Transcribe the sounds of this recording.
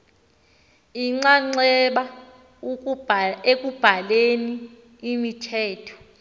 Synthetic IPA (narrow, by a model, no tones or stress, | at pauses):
iŋ͡ǀaŋ͡ǀɛɓa | ek̬ʼub̥ʱaleniː | mitʰɛːtʰɔ̥